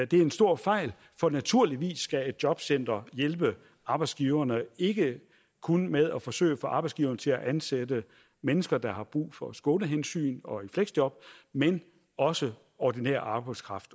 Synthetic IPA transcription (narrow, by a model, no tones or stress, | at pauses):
d̥e̝æɐe̝nsd̥o̝ɐ̰fɑ̈ɪ̰l | fɒ̽næt͡sʰuɐ̰liʋḭːsːɡ̥æe̝d̥̚djɒ̽b̥sen̰d̥ɐjelb̥ə | ʔɑ̈b̥ɑ̈ɪdsɡ̥iːʊɐnəe̝ɡ̥ə | kʰunmeð̞ˠæfɒ̽sø̰ːɪəfɒ̽ʔɑ̈ːb̥ɑ̈ɪsɡ̥iːʊɐnət͡sʰe̝læʔænsedə | menəsɡ̥ɐd̥ɑ̈hɑ̈b̥ʁṵːfɒ̽sɡ̥ɔ̽ːnəɦensy̰ːnɒ̽ifleɡ̥sd̥jɒ̽b̥̚men | ɒ̽sə | ɒd̥inḛɐ̰ɑ̈ːb̥ɑ̈ɪd̥skʰʁɑ̈fd̥